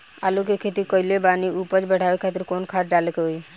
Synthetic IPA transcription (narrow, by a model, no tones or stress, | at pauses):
a̰ːlukekʰet̪ikɔɪlebaːniupət͡ʃbəɽ̤ʱaːʋekʰat̪ɪɾkoːnkʰaːɾɖalkeɦoi